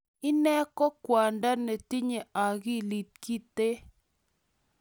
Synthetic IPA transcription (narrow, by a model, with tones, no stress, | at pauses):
ɪ˦nɛ˦kɔ˦kwa˨nda˦nɛ˨ti˦ɲe˨ʔa˨ɣi˦li˨t̚ki˦te˦